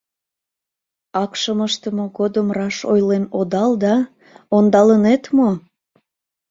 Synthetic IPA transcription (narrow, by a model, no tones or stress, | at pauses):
ɑkʃəməʃt̪əmoɣod̪əmrɑʃo̰jlenod̪ɑld̪ɑ | ond̪ɑlənet̪mo